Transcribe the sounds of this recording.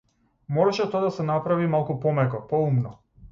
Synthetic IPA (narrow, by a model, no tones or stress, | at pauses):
mɔɾɛʃɛt̪ɔad̪asɛnapɾavimalˠkupɔmɛkɔpɔumnɔ